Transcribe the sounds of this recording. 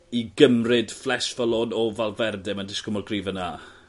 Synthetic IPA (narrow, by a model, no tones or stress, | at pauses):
iɡəmrɨd̥flɛsvəlˠɔnɔvalˠvɛrdɛmandɪskɔmɔrɡriːvəna